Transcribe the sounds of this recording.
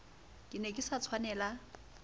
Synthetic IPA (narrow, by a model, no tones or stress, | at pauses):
kʼɪnɛkʼɪsat͡sʰwanɛːla